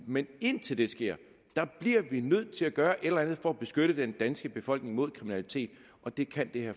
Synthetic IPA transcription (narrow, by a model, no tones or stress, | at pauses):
mene̝n̰t͡sʰe̝ld̥e̝sɡ̥e̝ɐ̰ | d̥ɑ̈b̥liɐʋinøð̞̰ˠt͡sʰe̝læɡ̥ɶːɐʔe̝ɾelɐænð̞̩ˠfɒ̽æb̥e̝sɡ̥øɾ̥əd̥end̥ænsɡ̥əb̥e̝fɒ̽l̰ɡ̥ne̝ŋmo̝ð̞̰ˠkʰʁiminælit͡sʰe̝̰ːd̥ | ʔɒ̽d̥e̝kʰænd̥e̝hæ